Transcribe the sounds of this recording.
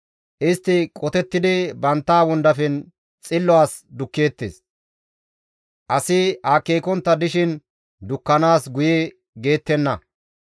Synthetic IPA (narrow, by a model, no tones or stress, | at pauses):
ʔɪst̪ːɪkʼɔt̪ɛt̪ːɪd̪ɪbɐnt̪ːaːwɔnd̪ɐfɛn | t͡sʼɪlːɔaːsd̪ʊkːeːt̪ːḛːs | ʔɐsɪaːkːeːkɔnt̪ːɐd̪ɪʃɪn | d̪ʊkːɐnaːsɡʊje | ɡe̞ːt̪ːɛnːɐ